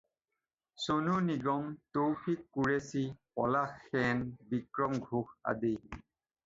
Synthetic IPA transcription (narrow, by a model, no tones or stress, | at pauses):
sonuniɡɔmtowpʰikːuɹesipɔlaxːɛnbikɹɔmɡʱuxa̰de